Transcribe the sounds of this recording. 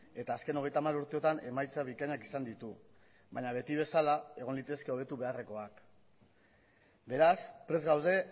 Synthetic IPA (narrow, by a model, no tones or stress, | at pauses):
e̞t̪aːske̞no̞ɣ̞e̞jt̪amaɾuɾt̪eo̞t̪ane̞majt͡saβikaɲakisand̪it̪u | βaɲaβe̞t̪iβ̞e̞salae̞ɣ̞o̞nlit̪e̞ske̞o̞β̞e̞t̪uβe̞are̞ko̞ak | be̞ɾaspɾe̞zɣawðe̞